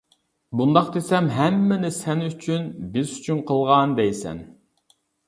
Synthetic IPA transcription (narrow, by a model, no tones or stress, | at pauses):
bund̪ɑqd̪esɛmɦɛmːɪnɪsɛnyt͡ʃʰynbɪzyt͡ʃʰynqʰəlˠʁɑnd̪ɛjsɛ̰n